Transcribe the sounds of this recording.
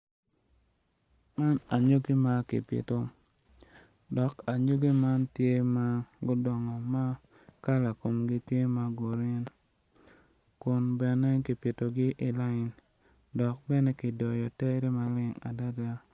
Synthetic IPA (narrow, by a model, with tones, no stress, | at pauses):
ma˦na˨ɲo˦ɡi˦ma˨kɪ̰˨pɪ̰˨to˨ | dɔ˨ka˨ɲo˦ɡi˦ma˦ntje˦ma˦ɡʊ˦dɔ˨ŋɔ˨ma˦ | ka˦la˨ko˨mɡɪ˦tje˦ma˨ɡo˨ɾɪ˦n | kʊ˨nbɛ˨nɛ˦ki˨pɪ˨to˨ɡɪ˦ʔɪ˨la˦ɪ˨n | dɔ˨k̚bɛ˦nɛ˦kɪ˨dɔ˨jɔ˨tɛ˦ɾe˦ma˨lɪ˦ŋa̰˨da˦da˦